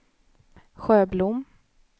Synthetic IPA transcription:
ɧøːblʊmː

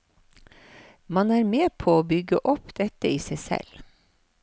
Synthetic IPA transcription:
mɑnæːɾmeːpʰoːoːbʏɡəʔɔpd̪̥ɛt̪əiːsæɪsɛ̰l

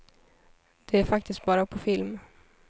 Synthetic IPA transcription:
d̪̥ɛæɾfak̚t̪ʰɪst̪̚bɑːɾapʰɔfɪlm

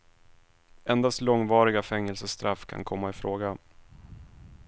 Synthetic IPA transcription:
ɛnd̪ast̪lɔŋvɑːɾɪɡafɛŋːɛlsəst̪ɾafkʰa̰nkʰɔmːaɪfɾoːɡa

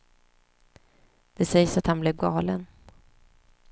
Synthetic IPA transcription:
d̪̥ɛsɛjsat̪hanblɛvɡɑːlən

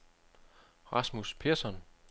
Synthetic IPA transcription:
ʁɑ̈smuspʰeɐsɒn

